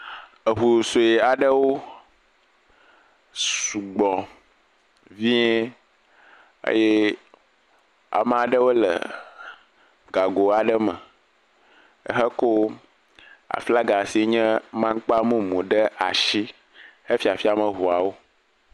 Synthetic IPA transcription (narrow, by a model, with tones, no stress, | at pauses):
ə˨ɦu˨so˨je˨a˨ɖə˦wo˦ | su˨ɡ͡bɔ˨ | vi˦ | ə̰˦jɛ˦ | a̰˨mə̃˨a˨ɖə˦wo˦lə̰˨ | ɡa˨ɡo˨a˨ɖə˦mə̰̃˨ | ə̰˦ɦə˦ko˦ | a̰˨fla˦ɡa˨si˨˦ɲɛ̃˦mã˦ŋ˦k͡pa˦mũ˦mõ˨ɖə˦ʔa̰˨ʃi˦ | he˦fi˦a˨fi˦a˨mə̃˨ɦu˨a˨wo˦